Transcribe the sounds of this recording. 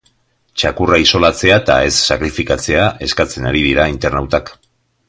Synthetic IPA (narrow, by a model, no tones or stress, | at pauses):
t͡ʃakuraiso̞lat͡se̞at̪ae̞sːakɾifikat͡se̞aʔe̞skat͡se̞naɾiðiɾaint̪e̞rnawt̪ak